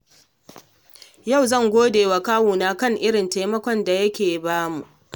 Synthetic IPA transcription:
ja˦˨wzɐ˦˨ŋɡʷoː˦deː˨wa˨kaː˦wuː˨naː˦kɐ˦˨ŋʔɪ˦ɽɪ˨nta˦jmɐ˦kʷɔ˦nda˨jɐ˦kʲeː˨baː˦mu˨ʔ

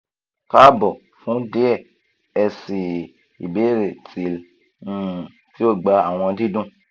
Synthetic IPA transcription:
ka˦bɔ˨ | fũ˨˦de˦ɛ˦˨ | ɛ˧si˨ | i˨be˨˦ɾe˨ti˨l̩̃˦˨ | ti˦o˦˨ɡ͡ba˧a˨w̃ɔ̃˧di˦dũ˦

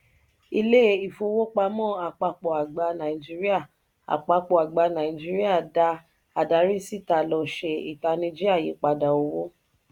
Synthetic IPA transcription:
i˧le˦i˨fo˧wo˦k͡pa˧mɔ̃˦˨a˨k͡pa˧k͡pɔ˨a˨ɡ͡ba˧˦nã˨i˨d͡ʒi˦ɾi˦a˦˨ | a̰˨k͡pa˧k͡pɔ˨a˨ɡ͡ba˧˦nã˨i˨d͡ʒi˦ɾi˦a˦˨da˧ | a˨da˨˦ɾi˦si˦˨ta˧˨lɔ˧˨ʃe˨i˨ta˧nĩ˧d͡ʒi˦a˦˨ji˨˦k͡pa˧da˨o˧wo˦

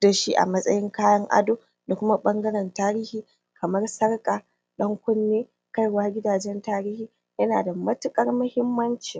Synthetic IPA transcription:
da˨ʃi˦ʔa̰˨mɐ˦sʼɐ̰˦jɪ˦ŋkaː˦jɐ˦ŋʔa̰˦doː˦ | da˨kʷʊ˦ma˦ɓɐ˦ŋɡɐ˦ɾɛ˨ntaː˦ɾiː˦hiː˨ | kʰɐ˨mɐ˦rsɐ˦rkʼaː˨ | ɗɐ˦ŋkʷʊ˦nːeː˦ | ka˦jwaː˦ɡʲɪ˦daː˨d͡ʒɛ˦ntaː˦ɾiː˦hiː˨ | jɐ˦naː˨da˨mɐ˦tʊ˦kʼɐ˦rmɐ˦hɪ˦mːɐ˦nt͡ʃi˨

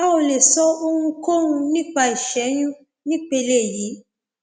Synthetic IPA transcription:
a˦o˧le˨sɔ˦o˧hũ˧ko˦ɾũ˧nĩ˦k͡pa˧i˨ʃɛ˨˦j̃ũ˦ | nĩ˦k͡pe˧le˦˨ji˨˦

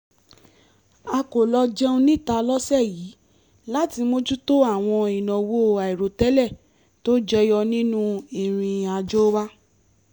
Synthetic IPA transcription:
a˧ko˨lɔ˧d͡ʒɛ˦õ˧nĩ˦˨ta˧lɔ˦sɛ˦˨jiː˨˦ | la˦ti˧mo˦d͡ʒu˦to˦a˦˨w̃ɔ̃˧i˨nɔ̃˨wo˦˨a˨i˨ɾo˨tɛ˨˦lɛ˦˨ | to˦d͡ʒɛ˦jɔ˧nĩ˦nũ˦i˨ɾ̃ĩ˧a˧d͡ʒo˦wa˦

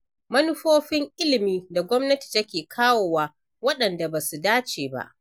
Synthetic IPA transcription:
mɐ˦nʊ˦ɸoː˦ɸɪ˦ŋʔɪ˦lɪ˨miː˦da˨ɡʷɔ˦mnɐ˦ti̥˨tɐ˦kʲeː˨kʰaː˦woː˨waː˦ | wɐ˦ɗɐ˨nda˨ba˨su˨daː˦t͡ʃeː˨ba̰˦˨ʔ

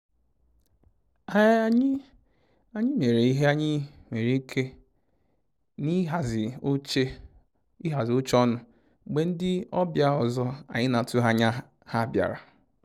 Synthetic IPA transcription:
a˨˦ɲ˦ | a˨ɲɪ˦me˨ɾe˨i˦ɦe˦a˦ɲɪ˦me˨ɾi˦kʰe˦ | ni˦ɦa˨zɪ˨˦t͡ʃe˦ | i˦ɦa˨zɪ˨ʊ˦t͡ʃɔ˦nʊ˨ | ɡ͡be˨n̩˦dɪ˦ɔ˦bja˦ɔ˨zɔ˦a̰˨ɲɪ˦na˨tu˦ɦa˦ɲa˦ | ha˦bja̰˨ɾa˨

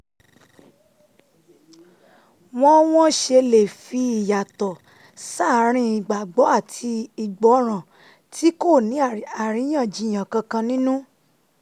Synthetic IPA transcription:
w̃ɔ̃˦w̃ɔ̃˦ʃe˧le˨fi˧i˨ja˨tɔ˨ | sa˦˨˦ɾ̃ĩ˧˦i˨ɡ͡ba˨ɡ͡bɔ˨˦a˦˨tʰi˧i˧˨ɡ͡bɔ˨˦ɾ̃ã˨ | ti˦ko˦˨nĩ˨˦a˨ɾ̃ĩ˨˦j̃ã˦˨d͡ʒi˧˦˨j̃ã˨kã˧kã˧nĩ˦nũ˦

